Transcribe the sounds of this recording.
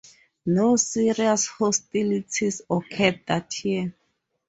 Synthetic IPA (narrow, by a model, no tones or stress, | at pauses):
nosiɹiashɔstilitʰisɔkʰɛt̚d̪atʰi